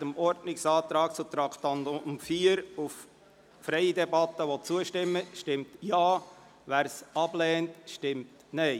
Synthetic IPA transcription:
təmɔɾdnɪksɑːt̪ɾɑːk̚t͡sut̪ɾɑkt̪ɑndɔʊmfiːəɾuf | fɾɛɪdɛbɑt̪ːəʋot͡suəʃtɪmːəʃtɪmtjɑː | væːɾsɑb̥lɛːntʃtɪmt | nɛɪ

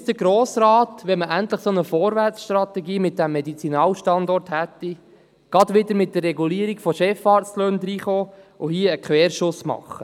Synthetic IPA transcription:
sd̥əɡɾoːsɾaːtʋɛməʔænt̪ləχsonəfoːɾʋærsʃt̪ɾɑt̪ɛɡiːmɪt̚d̥̪æmːɛdit͡sinɑːlʃtɑnd̪ɔrthæt̪ːi | ɡ̥ɑd̪ʋɪd̪əɾmɪt̚d̥ərːɛɡuliəɾiɡ̥fɔʃɛfɑːɾsløːnd̪ɾiːχoː | ʊhiəəkχʋɛːɾʃʊsmɑ̰χːə

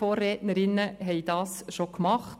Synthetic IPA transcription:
oːrːɛːtnəɾɪnːəɦɛɪd̥ɑːsʃokmɑχ

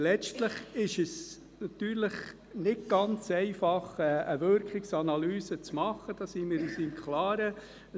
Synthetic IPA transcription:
lɛt͡ʃtləχɪʃəs | nɑt̪yːɾləχ | nɪɡ̚ɡ̥ɑnt͡sɛɪfɑχɛəvøɾkʰɪksɑnɑlyːsət͡smɑχːəd̥ɑːsimɪɾisimkʰlɑːɾə

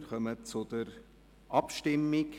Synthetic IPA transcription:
ɾχœmət͡sʊd̥əɾ | ʔɑpʃtɪmɪk

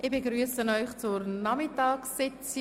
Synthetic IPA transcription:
ɪbeɡɾyːəsənɔʏχt͡sʊɾnɑmɪtɑːksːɪt͡si

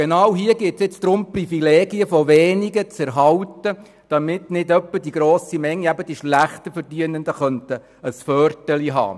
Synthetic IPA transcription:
ɡ̥enɑwɦiəɡɪtsjɛt͡sd̥ɾʊmprifileːɡiəfɔʋeːniɡət͡sɛɾɦɑltə | d̥ɑmɪtnɪdœpːəd̥iɡɾoːsimɛŋːiæbəd̥iʃlæχt̪əfəɾdyənəndəχœnt̪ə | əsfœrtəliɦɑ̰ː

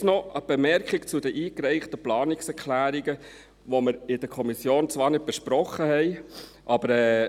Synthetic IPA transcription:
nɔəb̥emɛɾkχikt͡sʊd̪əʔiːkɾɛɪχt̪əplɑːnɪksɛɾkʰlæːɾiɡə | ʋɔməɾɪd̥̪əkʰɔmisjoːnt͡sʋɑːɾnɪd̚b̥ɛʃpɾɔχːəhɛɪ | ʔɑb̥əɾɛː

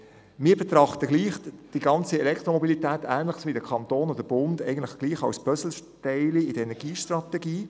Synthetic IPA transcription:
mɪːbet̪ɾɑχt̪əɡliːχd̥iɡɑnt͡siɛlɛktɾomobilitɛːt̪æːnlɪχsʋidəkʰɑnt̪oːnɔdəb̥ʊndɛɪɡən̩tlɪχɡ̥liːχɑwsb̥œsl̩ʃtɛɪliɪd̥əenɛɡiːʃtɾɑtɛɡiː

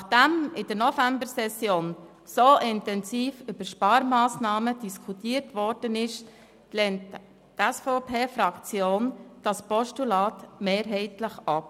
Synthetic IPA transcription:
nɑχd̥æmɪd̥əɾnɔfæmbəɾsɛsjoːn | soʔɪntɛnsiːfʏb̥əɾʃpɑːɾmɑːsnɑːməd̥iskʰutiːəɾtʋɔɾd̥ənɪʃ | lɛnt | tɛsfoʊpʰeːfɾɑkt͡sjoːnd̥ɑspɔʃtulɑːtmeːɾɦɛɪtləχɑp

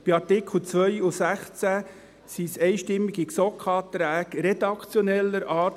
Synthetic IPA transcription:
b̥iɑɾtɪkχl̩ˠt͡sʋœjusæχt͡sæ | sisɛjʃtɪmːiɡ̥iksɔkʰɑːt̪ɾæːkɾed̪̥ɑkʰt͡sjɔnɛlːəɾʔɑːt

